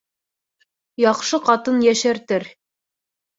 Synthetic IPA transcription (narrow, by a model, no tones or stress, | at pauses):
jɑqʃɤqɑt̪ɤnjæʃæɾt̪ɘɾ